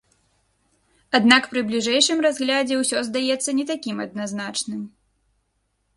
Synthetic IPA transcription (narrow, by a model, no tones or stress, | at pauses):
ad̪nakpɾɨblʲiʐɛjʂɨmrazɣlʲad͡zʲɛwsʲɔzd̪ajɛt̪sːɐnʲɛt̪akʲimɐd̪̚naznat͡ʂnɨm